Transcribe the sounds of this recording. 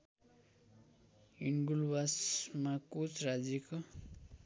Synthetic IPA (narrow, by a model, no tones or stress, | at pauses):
inɡulbasmakut͡sʰɾad͡zeko